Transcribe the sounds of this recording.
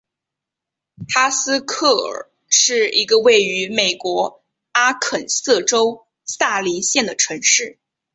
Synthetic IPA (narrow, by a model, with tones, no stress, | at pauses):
t̪ʰa˥sɹ̩˥kʰɤ˥˩ə̰˞˨˩ | ʂɻ̩˥˩i˧˥ɡə˧we˥˩ɪy˧˥me˨˩ɪkwɔ˧˥ | a˥kʰə˨˩nsɤ˥˩ʈ͡ʂo˥ʊ | sa˥˩li˧˥ɕjɛ˥˩nd̪ə˩ʈ͡ʂʰɤ˧˥ŋʂɻ̩˥˩